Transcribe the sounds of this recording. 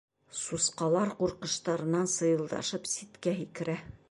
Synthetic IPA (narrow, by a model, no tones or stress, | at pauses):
susqɑlˠɑɾquɾqɤ̆ʃt̪ɑɾɤ̆nɑnsɤ̆jɤ̆lˠd̪ɑ̰ʃɤpsit̪kæɦikɘ̆ɾæ